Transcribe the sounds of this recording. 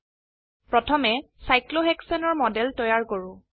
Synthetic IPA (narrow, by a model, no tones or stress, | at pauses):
pɹɔtʰɔmɛ | sajkloɦɛksɛnɔɹmɔdɛltɔjaɹkoɹʊ̃